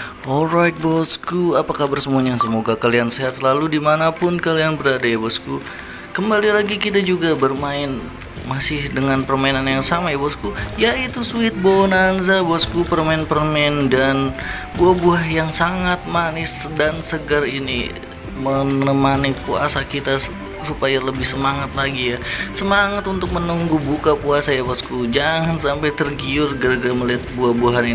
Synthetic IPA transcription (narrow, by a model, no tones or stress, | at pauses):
ɔlɾajt̪̚bɔskuapakahbərsəmuaɲasəmoɡakalianseɦat̪səlaludimanapʊnkalianbəɾadajabɔsku | kəmbalilaɡikit̪̬ad͡ʒuɡabərmaɪn | masɪhdəŋanpərmainanjaŋsamajabɔskujait̪usuɪt̪̚bonanzabɔskupərmaɪnpərmɛndan | buahbuaɦjaŋsaŋat̪̚manɪsdansəɡərinḭ | mənəmanipua̰sakit̪a | supajaləbɪhsəmaŋat̪̚laɡijasəmaŋat̪unt̪ʊk̚mənuŋɡubukapuasajabaskud͡ʒaŋansampajt̪ərɡiʊrɡərɡɾaməliɦat̪̚buahbuɦani